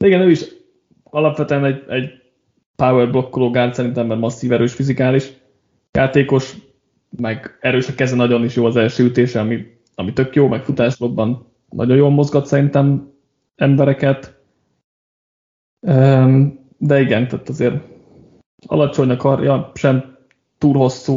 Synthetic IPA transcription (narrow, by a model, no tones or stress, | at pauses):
d̪̥ɛiɡɛnøːiʃ | ɒlɒpʋɛt̪øɛnɛɟɛɟ | pawɛrblo̞kːoloːɡaːrt̪sɛɾint̪ɛmːɛrmɒsːiːvɛɾøːʃfizikaːliʃ | jaːt̪eːko̞ʃ | mɛɡɛɾøːʃɒkɛzɛnɒɟo̞niʃjoːɒzɛlʃøːyt̪eːʃɛɒmi | ɒmit̪ø̞kjoːmɛkfut̪aːʃloɡbɒn | nɒ̰ɟo̞joːlmo̞zɡɒt̪sɛɾint̪ɛm | ɛmbɛɾɛkɛt̪ | øm | d̪ɛiɡɛnt̪aːt̪ɒzeːɾ | ɒ̰lɒt͡ʃo̞ɲnɒkɒrjɒʃɛm | t̪uːlho̞sːu